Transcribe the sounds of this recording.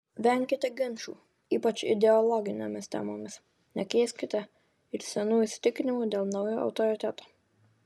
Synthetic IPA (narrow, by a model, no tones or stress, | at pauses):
ʋʲɛŋʲkʲɪt̪ʲɛɡʲɪnʲʃuː | iːpɐt͡ʃɪ̰d̪ʲɛɔlˠɔɡʲɪnʲɛ̰mʲɪst̪ʲæ̰moːmʲɪs | nʲɛkʲiɛsʲkʲɪt̪ʲɛ | ɪɾsʲɛnuːɪsʲt̪ʲɪkʲnʲɪmud̪ʲeːlˠnɑʊjoːʔɐ̰ʊt̪ɔɾʲɪt̪ʲæt̪oː